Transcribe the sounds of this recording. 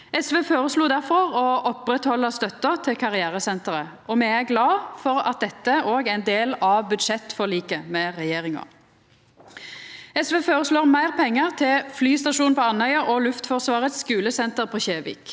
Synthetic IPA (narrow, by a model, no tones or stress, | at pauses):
ɛsʋeːfoːʁəsluːd̪æʁfɔʁɔʔɔpʁɛt̪hɔlːəst̪œt̪ːət̪ʰɪkʰɑʁɪæːʁəsɛnt̪əʁəʔɔmɛːæʁɡlɑːfɔʁɑ̰t̪̚d̪ɛt̪ːəoːɡæɪnd̪eːlɑʋbʉd̪ʃɛt̪fɔʁliːkəmɛʁɛjeːʁɪŋɑ̰ | ɛsʋeːfoːɾəsloːʁmæɪʁpʰɛŋːəʁt̪ʰɪlflyːst̪ɑʂuːnpʰɔɑnhœʏɑʔɔlʉft̪fɔʁsʋɑːʁət̪skʉːləsɛnt̪əʁpʰoːçeːʋḭːk